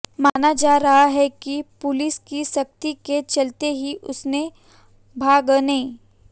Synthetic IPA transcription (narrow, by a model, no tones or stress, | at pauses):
maːnad͡ʒaːɾɐɦaɦɛkipʊlɪskisɐk̚t̪iket͡ʃɐlt̪eɦiʔʊsne | bʱaːɡnẽ